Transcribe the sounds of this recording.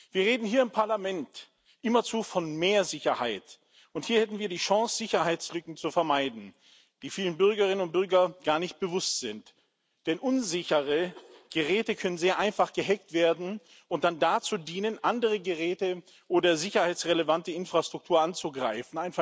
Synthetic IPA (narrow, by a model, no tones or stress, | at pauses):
viːɐʁeːdn̩hiːɐɪmpʰaɐlamɛnt | ʔɪmɐt͡suːfɔnmeːɐzɪçɐha̰ɪt | ʊnthiːɐhɛtn̩viːɐdiːʃɑ̃ŋsz̥ɪçɐhaɪt͡slʏkŋ̩t͡sufɛɐmaɪdn̩ | d̥iːfiːlənbʏɐɡɐʁɪnənʊnt̚b̥ʏɐɡɐɡ̥aːɐnɪçt̚b̥əvʊstz̥ɪnt | d̥ɛnʔʊnzɪçəʁəɡ̥əʁɛːtəkʰœnənzeːɐʔaɪnfaχɡ̥əɦɛktv̥eːɐdn̩ | ʔʊnt̚d̥andat͡suːdiːnənʔandəʁəɡəʁɛːtə | ʔoːdɐzɪçɐhaɪt͡sʁeləvantəɪnfʁ̥astʁ̥ʊk̚tʰuːɐʔant͡suɡʁaɪfn̩ʔaɪnfa